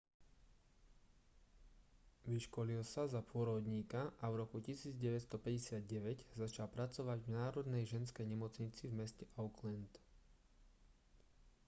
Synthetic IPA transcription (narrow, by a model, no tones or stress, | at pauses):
ʋiʃkɔlilsazapʊɔɾɔd̪ɲiːkaʔavɾɔkucisiːd͡zɟɛʋɛcst̪ɔpɛɟɛsɪad̪̚ɟɛʋɛɟzat͡ʃalpɾat͡sɔʋaɟvnaːɾɔd̪nɛjʒɛnskɛjɲɛmɔt͡sɲit͡sivmɛscɛʔaʊklɛnt̪